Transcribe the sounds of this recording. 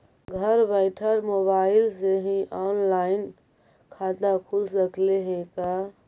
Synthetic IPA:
ɡʱəɾbəɪʈʰəɾmoβaɪlseɦĩʔɔnlaɪn | kʰad̪akʰulsəkleɦẽka

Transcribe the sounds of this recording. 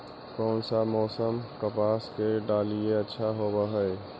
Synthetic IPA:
kɔːnsamɔːsəmkəpaːskeɖaːlieɐtːʃʰaɦoːbaɦɛe

